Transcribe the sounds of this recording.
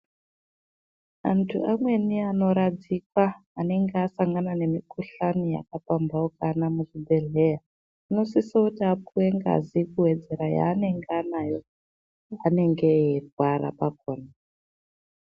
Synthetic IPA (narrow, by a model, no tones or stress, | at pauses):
antʰuʔamwe̞niano̞ɾad͡zikwaːne̞ŋɡeasaŋɡanane̞mikuɬanija̰kapambaokanamuʐibʱe̞ɮe̞ja | ino̞sisoutiapuweŋɡa̰zikuwe̞d͡ze̞ɾaja̰ːne̞ŋɡanajo̞ | ane̞ŋɡe̞erwaɾa̰pak̚oːna